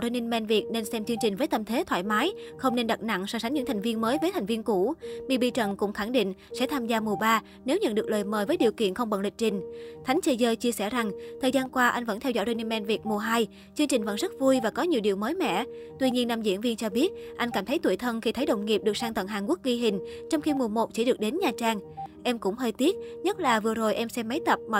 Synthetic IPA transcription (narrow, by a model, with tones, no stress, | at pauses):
o˧ni˧nmɛ˧nvi˨˩ət̚ne˧nsɛ˧mt͡ɕɨ˧ŋt͡ɕï˨˩ŋ̟vəː˨˦jt̪ə˧mt̪ʰe˨˦t̪ʰwa̰ː˧˨jmaː˨˦jxə˧wŋ͡mne˧nɗa˨˩t̚na̰˧˨ŋsɔː˧˩sa˨˦ŋɲɨ̰˧˥ŋt̪ʰa˨˩ŋ̟vi˧ənməː˨˦jvəː˨˦t̪ʰa˨˩ŋ̟vi˧nku˧˩mḭ˧˩ɓi˧t͡ɕə˧˩nkʊ̰˧˥ŋ͡mxa˧˩ŋɗḭ˧˨ŋ̟sɛ̰˧˥t̪ʰaː˧mzaː˧mu˨˩əɓaː˧ | ne˨˦wɲə̰˧˨nɗɨ˨˩k̚ləː˨˩jməː˨˩jvəː˨˦jɗi˨˩əwkḭ˧˨ənxə˧wŋ͡mɓə̰˧˨nlï˨˩k̚t͡ɕï˨˩ŋ̟t̪ʰa˨˦jŋ̟t͡ɕə˧zəː˧jt͡ɕi˧əsɛ˧˩za˨˩ŋt̪ʰəː˨˩jzaː˧nkwaː˧ʔa˧jŋ̟və̰˧˥nt̪ɛ˧wzɔ̰˧˥jzo˧ni˧nmɛ˧nvi˨˩ət̚mu˨˩əɦaː˧j | t͡ɕɨ˧əŋt͡ɕï˨˩ŋ̟və̰˧˥nzə˦˥t̚vu˧jvaː˨˩kɔ˨˦ɲi˨˩əwɗi˨˩əwməː˨˦jmɛ̰˧˨t̪wi˧ɲi˧ənːaː˧mzḭ˧˥ənvi˧ənt͡ɕɔ˧ɓi˦˥ət̚ʔa˧jŋkaː˧˩mt̪ʰə˨˦jt̪u˧˩əjt̪ʰə˧nxi˧t̪ʰə˨˦jɗə̰˧˨wŋ͡mŋi˨˩p̚ɗɨ˨˩əsaː˧ŋt̪wə̰˧˨nɦaː˨˩nku˦˥ək̚ɣi˧ɦï˨˩ŋ̟t͡ɕɔ˧wŋ͡mxi˧mu˨˩əmo˨˩t̚t͡ɕḭ˧˩ɗɨ˨˩ək̚ɗe˨˦nɲaː˨˩t͡ɕaː˧ŋʔɛ˧mkʊ̰˧˥ŋ͡mhəː˧jt̪i˦˥ət̚ɲə˦˥t̚laː˨˩vɨ˨˩əzo˨˩jʔɛ˧msɛ˧mːa˨˦jt̪ə˨˩p̚ma̰˧˨